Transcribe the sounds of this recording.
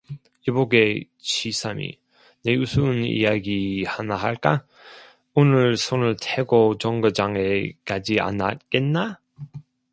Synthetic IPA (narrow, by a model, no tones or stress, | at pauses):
iboɡe | ɕʰisʰamḭ | neusʰunḭjaɡihanaɦaɭk͈a | onɯɭsʰonɯɭtʰeɡot͡ɕʌŋɡɯd͡ʑaŋekad͡ʑia̰nat̚k͈enːa